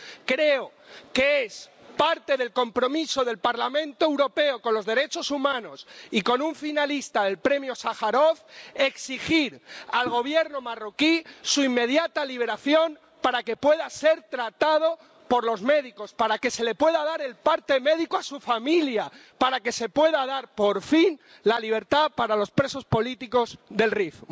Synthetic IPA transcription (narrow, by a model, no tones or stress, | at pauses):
kɾe̞o | keespaɾt̪e̞ðe̞lko̞mpɾo̞miso̞ðe̞lpaɾlamẽ̞nt̪oewɾo̞pe̞oko̞nlo̞zðe̞ɾe̞t͡ʃo̞sumãno̞siko̞nuɱfinalist̪aðe̞lpɾe̞mjo̞saxaɾo̞θe̞ksixiɾalɣ̞o̞β̞je̞ɾno̞maro̞kisuimːe̞ð̞jat̪aliβe̞ɾaθjo̞m | paɾake̞pwe̞ðase̞ɾt̪ɾat̪að̞o̞ | po̞ɾlo̞zme̞ðiko̞spaɾake̞se̞le̞pwe̞ðaðaɾe̞lpaɾt̪e̞me̞ðikoasufamiljapaɾake̞se̞pwe̞ðaðaɾpo̞ɾfin | laliβ̞e̞ɾt̪apaɾalo̞spɾe̞so̞spo̞lit̪iko̞zðe̞lrifo